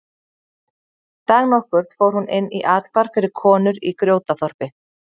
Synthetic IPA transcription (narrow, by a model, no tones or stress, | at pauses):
t̪aːɣnɔhkʏɾ̥t̪foːwɾ̥hunɪnːḭʔaːt̪l̥paɾ̥fɪɾɪɾkʰɔːnʏɾikɾjoːwt̪aθɔr̥pɪ